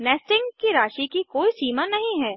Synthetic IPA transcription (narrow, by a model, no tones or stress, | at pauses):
nɛːsʈɪ̃ŋɡkiɾaːʃikikoːisiːmanɐɦĩɦɛː